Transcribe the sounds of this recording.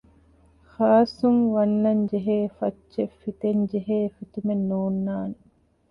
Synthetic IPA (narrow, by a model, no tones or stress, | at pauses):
xaːsuŋʋɐnːɐɲd͡ʒeɦeːfɐt͡ʃːʃefit̪eɲd͡ʒeɦeːfit̪umenːoːnːaːne